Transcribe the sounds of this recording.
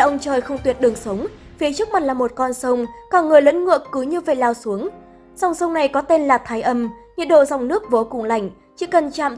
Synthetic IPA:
ʔə˧wŋ͡mt͡ɕəː˨˩jxə˧wŋ͡mt̪wi˨˩ət̚ɗɨ˨˩əŋsə˨˦wŋ͡m | fi˨˦t͡ɕək̚ma˨˩t̚laː˨˩mo˨˩t̚kɔ˧nsə˧wŋ͡mkaː˧˩ŋɨ˨˩əjlə̰˧˥nŋɨ̰˧˨əkːɨ˨˦ɲɨ˧vḛ˧˨laː˧wsu˨˦əŋ | z̥a˨˩wŋ͡msə˧wŋ͡mna˨˩jkɔ˨˦t̪e˧nlaː˨˩t̪ʰaː˨˦jʔə˧m | ɲə̰˧ənɗo̰˧˨za˨˩wŋ͡mnɨ˦˥ək̚vo˨˩kʊ̰˨˧˩ŋ͡mla̰˧˩jŋ̟ | t͡ɕḭ˧˨kə˨˩nt͡ɕa̰ː˧˨m

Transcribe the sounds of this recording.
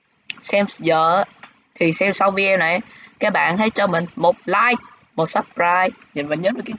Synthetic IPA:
sɛ˧mzə̰ː˧˨˦ | t̪ʰi˨˩sɛ˧msa˧wvəː˨˦ʔɛ˧mna˨˩jʔkaː˨˥k̚ɓa̰ː˧˨nha˨˦j̚t͡ɕɔ˧mï˨˩ŋ̟mo˨˩t̚laː˧j | mo˨˩t̚sə˦˥p̚ɾaː˧jɲɨ˨˩nvaː˨˩ɲəː˨˦˥t̚vəː˨˩ka˨˦

